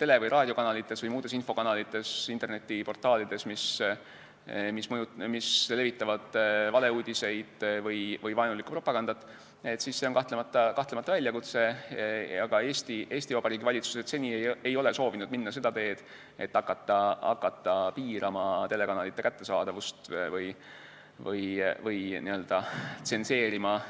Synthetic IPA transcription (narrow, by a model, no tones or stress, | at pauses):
t̪e̞levɯjɾʔɑːd̥̪ʲjo̞kɑnɑlit̪ːˑe̞svɤjmuːd̪e̞sinfo̞kɑnɑlit̪ːˑe̞sint̪e̞rne̞t̪ːˑipo̞rt̪ˑɑːlid̪e̞smis | mismɤjumisle̞vit̪ːˑɑvɑd̪̥vɑle̞uːd̪̥ʲise̞jd̪̥vɤjvɯjvɑjnulikːu̥pro̞pːɑɡ̥ɑnd̪̥ɑt̪ːˑ | e̞t̪ːˑsisːe̞o̞nkɑht̪lemɑt̪ːˑɑkɑht̪lemɑt̪ːɑvælʲjɑkut̪se̞ | ɑɡ̥ɑe̞ːst̪iʔe̞ːsʲt̪ivɑb̥ɑɾiːɡivɑlʲit̪su̥set̪se̞nʲieejo̞le̞so̞ːvinud̪̚minːɑse̞d̪̥ɑt̪e̞ːd̪̥ | e̞̰t̪ːɑkːˑɑt̪ˑːɑɑ̰kːˑɑt̪ːɑpiːɾʔɑmɑt̪e̞le̞kɑnɑlit̪ːekæt̪ːe̞sɑːd̪̥ɑvust̪vɤj | vɤ̰jvɤjniø̞ld̪̥ɑt̪se̞nse̞ːɾimɑ